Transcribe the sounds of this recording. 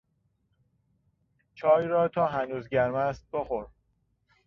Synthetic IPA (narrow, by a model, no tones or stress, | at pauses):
t͡ʃʰɒːjɾɒːt̪ʰɒːɦænuːzɟæɾmæst̪̚boxoɾ